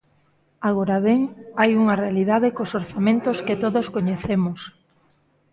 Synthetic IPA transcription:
aɣ̞oɾaβeŋajuŋɐrealiðaðɪkosoɾθamẽnt̪osket̪oðoskoɲeθemʊs

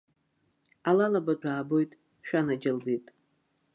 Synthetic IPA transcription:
alalabat͡ʃʷʰʼaːbo̞jtʼ | ʃᶣanad͡ʒɪlbitʼ

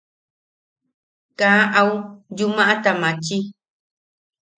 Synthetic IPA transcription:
kãaʔaujumãʔãt̪amãt͡ʃi

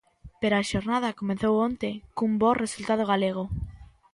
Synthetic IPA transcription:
peɾoaʃoɾnað̞akomẽnθowont̪ekumboresult̪að̞oɣ̞aleɣ̞o

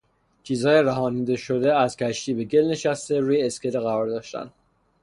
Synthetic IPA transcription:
t͡ʃʰiːzhɒːjeɾæɦɒːniːd̪eʃo̞d̪eæzcʰæʃt̪iːbe̞ɟe̞lne̞ʃæst̪e̞ɾuːjeːskʲʰed̪eɣæɾɒːɾd̪ɒːʃt̪æ̰nd̪̥

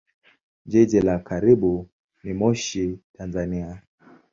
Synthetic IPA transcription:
d͡ʒɛd͡ʒɛlakaɾiɓu | nimɔʃitanzania

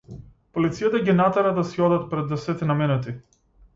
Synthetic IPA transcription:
polit̪sijat̪aɡinat̪aɾad̪asiɔd̪at̪̚pɾɛd̪ːɛsɛt̪ɛnamɛnɛt̪i

